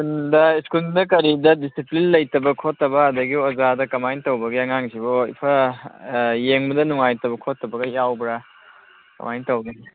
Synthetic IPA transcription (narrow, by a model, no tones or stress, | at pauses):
kundɐiskuldɐkɐɾidɐdisiplinlɐjtɐbɐkʰotːɐbɐːdɐɡiozadɐkɐmajntɐwbɐɡiɐŋaŋsiboḭpʰɐ | jeŋbɐdɐnuŋajtɐbɐkʰotːɐbɐɡɐjawbɾa | kɐ̰majntɐwɡi